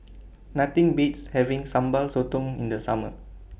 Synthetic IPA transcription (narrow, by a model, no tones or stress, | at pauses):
nat̪ĩŋbitshɛvĩŋsãmbalsot̪ɔ̃ŋĩndəsamə